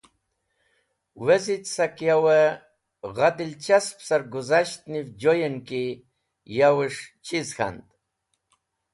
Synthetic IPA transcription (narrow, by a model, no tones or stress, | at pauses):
wezit̪sakjawe | ɣad̪ilt͡ɕaspsaɾɡuzaɕt̪nivd͡ʑojenki | jawɨʂt͡ɕʰizxa̰nd̪